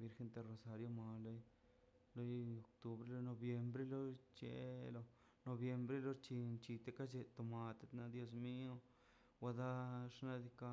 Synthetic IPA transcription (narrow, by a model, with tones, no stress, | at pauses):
bi˧ɾxe˧˦nt̪e˧ro˨sa˨ɾjo˧ma˨lo˦j | lo˦jo˨k̚t̪u˨bɾe˦lo˧˦no˧bje˧mbɾe˦lo˦t͡ʃḛ˨lo˧ | no˨bje˧mbɾe˦lo˦t͡ʃi˧nt͡ʃi˧t̪e˦ka˦t͡ʃe˧˨t̪o˨ma˧t̪e˦t̪na˧d̪jo˧s̬mi˦o˦ | wa˧d̪a˦ʂna˦˧d̪i˧ka˦